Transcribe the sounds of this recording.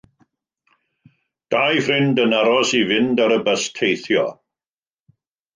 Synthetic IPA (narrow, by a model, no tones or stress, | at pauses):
d̥ajfrɪndənaɾɔsivɪndaɾəbəstʰejθjɔ̰